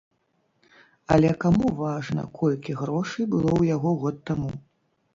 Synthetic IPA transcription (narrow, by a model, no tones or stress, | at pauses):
ɐlʲɛkamuvaʐnɐ̰kʰɔlʲkʲiɣɾɔʂɨjbɨlˠɔwjaɣɔɣɔt̪ːamu